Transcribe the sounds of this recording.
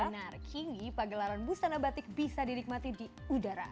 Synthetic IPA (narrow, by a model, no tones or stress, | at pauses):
narkʰinipaɡəlaɾanbust̪anabat̪ɪk̚bisadinɪk̚mat̪idiudaɾa̰